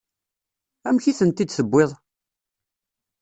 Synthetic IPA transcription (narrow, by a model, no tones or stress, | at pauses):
æmçiθənt̪ːid̪səbːɪðˤ